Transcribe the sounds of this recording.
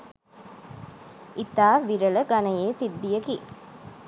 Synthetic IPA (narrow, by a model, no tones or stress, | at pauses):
ʔit̪aːʋiɾələɡɐnɐjeːsid̪ːijəki